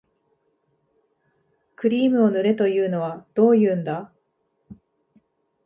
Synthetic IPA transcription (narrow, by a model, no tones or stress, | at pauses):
kɯ̟ɾʲiːmɯ̟o̞nɯ̟ɾe̞t̪o̞jɯ̟ːno̞β̞ad̪̥o̞ːjɯ̟ːnd̪a